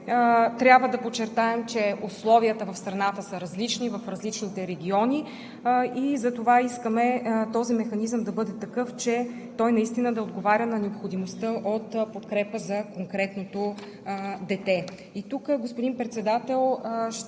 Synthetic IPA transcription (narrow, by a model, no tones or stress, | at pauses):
t̪ɾʲjabvəd̪ɐpot͡ʃːɛɾt̪aɛmt͡ʃɛuslˠɔviət̪əvɐfst̪ɾɐnat̪əsəɾɐzlit͡ʃnivɐfɾɐzlit͡ʃnit̪ɛɾɛɡʲiɔnʲi | izɐt̪ovaiskəmɛt̪ɔzimɛxɐnizəmd̪ɐbɤd̪ɛt̪ɐkɤft͡ʃɛ | t̪ɔjnɐist̪inəd̪ɐod̪ɡovaɾʲənɐnɛopxod̪imost̪əʔot̪pot̪kɾɛpəzɐkoŋkɾɛt̪not̪o | d̪ɛt̪ɛ | it̪ukɡospod̪inpɾɛt̪sɛd̪at̪ɛlˠʃ